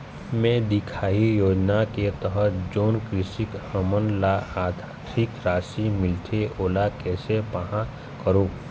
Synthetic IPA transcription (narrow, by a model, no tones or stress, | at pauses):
mɛ̃d̪ɪkʰaːijoːd͡ʒnaket̪əɦəd͡ʒoːnkɾɪʃɪkhəmənlaaːd̪ʱaʈʰɪkɾaːsimɪlʈ̪ʰeʔoːlakɛːsepəɦã | kəɾũː